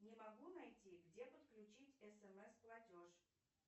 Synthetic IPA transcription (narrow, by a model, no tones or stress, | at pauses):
nʲɪmɐɡunɐjtʲiɡdʲepət̪klʲʉt͡ɕitʲɛsɛmɛsplˠɐtʲoʂ